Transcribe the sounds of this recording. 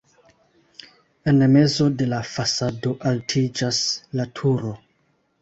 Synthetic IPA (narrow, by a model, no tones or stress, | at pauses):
enme̞zo̞de̞lafasado̞ʔaltʰid͡ʒaslatʰuɾo̞